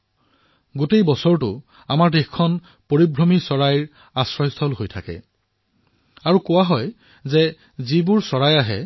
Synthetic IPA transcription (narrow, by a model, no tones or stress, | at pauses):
ɡotejbɔsɔɹtʊ̰ | amaɹtexkʰːɔn | poɹibɹɔmisɔɹajɹ | asɹɔjst̪ʰɔlɦojtʰakɛ̰ | aɹukʊwaɦɔj | zɛ | zibʊɹsɔɹajaɦɛ